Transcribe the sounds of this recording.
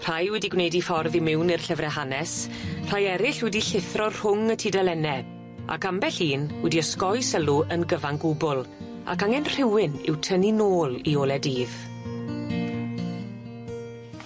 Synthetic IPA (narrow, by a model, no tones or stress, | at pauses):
r̥ajwɛdiɡwnejdifɔrðimɪwnir̥ɬəvrɛɦanɛs | r̥ajɛɾɪɬwɛdiɬɪθrɔr̥ʊŋətʰiːdɛlɛnɛ | a̰kambɛɬiːnwɛdiəskɔjsəlˠuʔənɡəvaŋɡʊbʊlˠ | a̰kaŋɛnr̥ɪwɪnɪ̰wtʰəninoːlˠioːlˠɛdiːð̥